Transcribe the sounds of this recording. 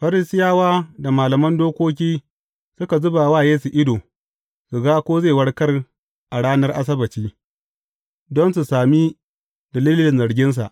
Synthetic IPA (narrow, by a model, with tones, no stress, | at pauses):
ɸɐ˦ɾɪ˦sɪ˦jaː˦waː˦da˨maː˨lɐ˨mɐ˦ndoː˦kʷoː˦k̬ʲiː˦ | sʊ˦ka˨zʊ˦ba˨waː˦˨jeː˦su˨ʔɪ˦doː˨ | su˨ɡaː˦kʷoː˦ze˦˨wɐ˦ɽkɐ˦r | ʔa˨ɽaː˦nɐ˦rʔa˦s̬ɐ˦bɐ˨t͡ʃiː˦ | dɔ˦nsu˨saː˨mi˦ | dɐ˨liː˦llɪ˨nzɐ˨ɽɡʲɪ˦ns̬a̰˨ʔ